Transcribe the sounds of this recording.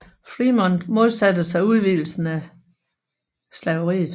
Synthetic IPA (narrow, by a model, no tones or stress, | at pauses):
fʁimɒnd̥mo̝ðˠsæd̥əsɑ̈ɪuð̞ˠʋeːl̩sn̩æ | slɛʊəʁḭːð̩ˠ